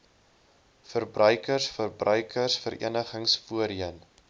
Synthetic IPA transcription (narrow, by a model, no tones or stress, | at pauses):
fərbrœɥkərsfərbrœɥkʰərsfəɾʔḭənəχəŋsfuəɾiən